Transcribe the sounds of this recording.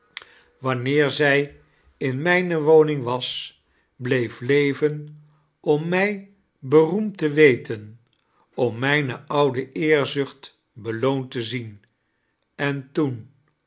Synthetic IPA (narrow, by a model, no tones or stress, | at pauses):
ʋɑnɪːɹzɛj | ɪnmɛjnəʋownɪŋʋɑs | blejflejvən | ɔmːɛj | bərumtəʋejtʰən | ɔmːɛjnəʔɑwdəʔɪːɹzɵχt | bəlowntəzin | ɛntun